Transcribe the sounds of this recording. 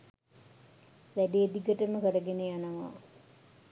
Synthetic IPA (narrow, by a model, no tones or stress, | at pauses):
læɖeːd̪iɡəʈəməkəɾɐɡenejanɐʋa̰ː